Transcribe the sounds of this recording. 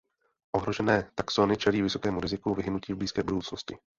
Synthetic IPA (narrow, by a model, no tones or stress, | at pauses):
ʔo̞ɦɾo̞ʒɛnɛːt̪aksonɪt͡ʃɛliːvɪso̞kɛːmuɾɪzɪkuvɪɦɪnuciːvbliːskɛːbudowt͡snoscɪ